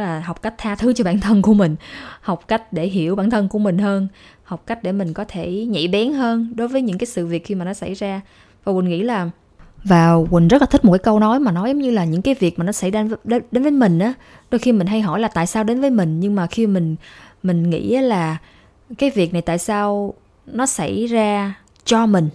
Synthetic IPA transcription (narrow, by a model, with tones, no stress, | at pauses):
laː˨˩ɦa˨˩wk͡p̚ka˦˥jk̚t̪ʰaː˧t̪ʰɨ˨˦t͡ɕɔ˧ɓa̰ː˧˥nt̪ʰə˧nku˧˩əmï˨˩ŋ̟ha˨˩wk͡p̚ka˦˥jk̟̚ɗe˧˩ɦi˧˩əwɓa̰ː˧˨nt̪ʰə˧nku˧˩əmï˨˩ŋ̟həː˧nha˨˩wk͡p̚ka˦˥jk̟̚ɗe˧˩mï˨˩ŋ̟kɔ˨˦t̪ʰe˧˩ɲḛ˧˨ɓɛ˨˦nɦəː˧nɗo˨˦jvəː˨˦jɲɨ̰˧˥ŋkaː˨˦jsɨ̰˧˨vi˨˩ət̚xi˧maː˨˩nɔ˨˦sa̰˧˩jzaː˧ | vaː˨˩wi˨˩ŋḭ˧˥laː˨˩ | vaː˨˩wkwi˨˩ŋ̟zə˦˥la˨˩t̪i̟˦˥˨tkːaː˨˦kə˧wnɔ˨˦jmaː˨˩nɔ˨˦ju˨˦ŋ͡mɲɨ˧laː˨˩ɲɨ̰˧˥ŋkaː˨˦jvi˨˩ək̚ma˨˩nɔ˨˦sa˧˩jzɗɗe˨˦nvə˨˦jmï˨˩ŋ̟ʔaː˨˦ | ɗo˧jxi˧mï˨˩ŋ̟ɦa˧jɦɔ̰˧˩jlaː˨˩t̪a̰ː˧˨jsaː˧wɗe˨˦nvəː˨˦jmï˨˩ŋ̟ɲɨ˧ŋmaː˨˩xi˧mï˨˩ŋ̟mï˨˩ŋ̟ŋḭ˧˥ʔaː˨˦laː˨˩ | kaː˨˦jvi˨˩ək̚na˨˩jt̪a̰ː˧˨jsaː˧w | nɔ˨˦sa̰˧˩jzaː˧ | t͡ɕɔ˧mï˨˩ŋ̟